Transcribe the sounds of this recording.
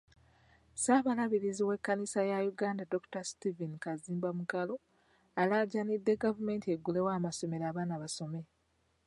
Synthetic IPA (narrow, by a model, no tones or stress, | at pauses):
saːβalaβiɾiziwe̞kːanisajajuɡaːndado̞ku̥tastivinikaziːmbamukalo̞ | alaɟanidːe̞ɡavume̞ːntie̞ɡːule̞waːmaso̞me̞ɾaːβaːnaβaso̞me̞